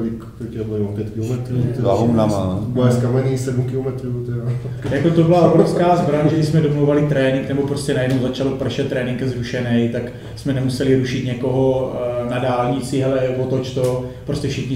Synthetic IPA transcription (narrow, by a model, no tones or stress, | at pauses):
ɪkt̪iɛbmompjɛt̪kɪllomɛt̪ɾut̪ɛlaɦomnamaːɛskamɛɲisɛdum̩kɪlomɛt̪ɾuːt̪ɛɾajakot̪obɪlaʔobɾofskaːzbɾaɲaʒɛɪsmɛdomlowvalɪt̪ɾɛːnɪŋknɛbopɾo̞scɛnajɛdnowzat͡ʃalopr̩ʃɛt̪ːɾɛːnɪŋkzɾuʃɛnɛjt̪ak | smɛnɛmusɛlɪɾuʃɪt̪ɲɛko̞ɦo̞nadaːlɲɪt͡sɪɦɛlɛvot̪ot͡ʃt̪opɾoscɛfʃɪxɲɪ